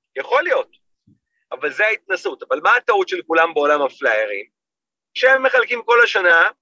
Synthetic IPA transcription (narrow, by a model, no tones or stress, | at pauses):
jaχo̞lijo̞t̪ | avalzeait̪nasutavalmaːt̪autʃelkulambeo̞lamaflajeʁḭm | ʃeemːe̞χalkimko̞laʃana